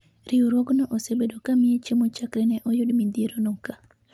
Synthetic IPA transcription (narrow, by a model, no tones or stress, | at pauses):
ɾiuɾwɔɡnɔʔosebedokamiet͡ʃemot͡ʃakɾɛnɛʔɔjʊdmind̪eɾonoka